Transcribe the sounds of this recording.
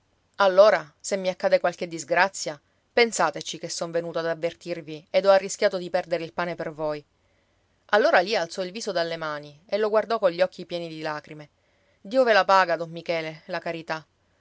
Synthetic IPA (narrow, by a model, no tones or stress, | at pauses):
alːoːɾasemːiakːaːd̪ekwalk̟ed̪ːizɡɾat̪sːja | pensaːt̪et͡ʃikesːoɱvenuːt̪oad̪avːert̪irvied̪ɔarːiskʲjaːt̪od̪ipɛrd̪eɾeilpaːnepervoj | alːoːɾalialt̪sɔilviːzod̪alːemaːni | eloɡward̪ɔkoʎːɔkːipjɛːnid̪ilaːkɾime | d̪iːovelapaːɡad̪ɔmːikɛːlelakaɾit̪a